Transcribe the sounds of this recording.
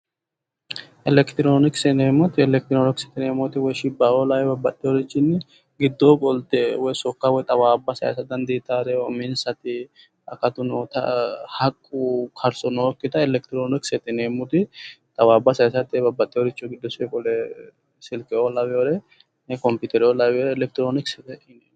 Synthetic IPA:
ʔɛlɛkt̪ɪɾoːnɪksɛneːmːʊt̪ɪɛlɛk̚t̪ɪɾoːnɪksɛ̥t̪ɪneːmʊt̪ɪwɔjʃɪbːaːolɐwɛbɐbːɐt̪ʼːɪoɾɪt͡ʃːɪnːɪ | ɡɪd̪ːokʼɔlt̪ɛwɔjsɔkːawɔjt̪ʼɐwaːbːɐsɐ̰jɐ̰sɐd̪ɐnd̪iːt̪ːaːɾɛɔmɪnsɐt̪ɪ | ɐ̰kːɐt̪ʊnoːt̪ɐ̰hɐkʼːukʰɐɾsɔnoːkːɪt̪ɐɛlɛkt̪ɪɾoːnɪksɛt̪ɪneːmʊt̪ɪt̪ʼɐwaːbːɐsɐjɐsɐt̪ɛbɐbːɐt̪ʼːɪɔɾɪt͡ʃːɔɡɪd̪ːɔsɛkʼɔlɛ | sɪlkʼɛolɐβɪoɾɛ | nɛkɔmpuːt̪ɛɾɪolɐboɾɛlɛk̚t̪ɪɾoːnɪksɛt̪ɛɪneː

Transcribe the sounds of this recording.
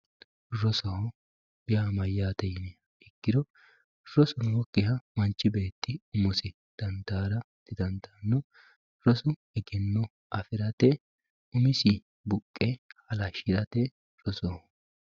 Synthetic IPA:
ɾɔsɔhɔ | bɪjamɐjːaːt̪ɛjɪnɛ | ɛɡːɪd̪ɔ | ɾɔsʊnwɔkːɪɦɐmɐnt͡ʃːɪbe̞ːt̪ːɪʊmɔsɪ | d̪̥ɐnd̪aːɾɐ | t̪ɪd̪ɐnt̪anːɔ | ɾɔsʊ | ɛɡɪnːɔ | ʔɐfɪɾɐt̪ɛ | ʊmɪsɪ | bʊkʼːɛhɐlɐʃɪɾɐt̪ɛ | ɾɔsɔhɔ

